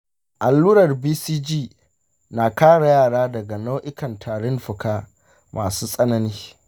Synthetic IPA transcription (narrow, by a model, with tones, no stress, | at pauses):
ʔa˨lːuː˦ɾɐ˨rbiː˦siː˦d͡ʒiː˦˨ | na˨kaː˦ɽa˨jaː˦˨ɽaː˦dɐ˨ɡa˨na˦wʔɪ˦kɐ˨ntʰaː˨ɽɪ˦nɸɪ˨kaː˦ | maː˨suː˦sʼɐ˦nɐ˦niː˦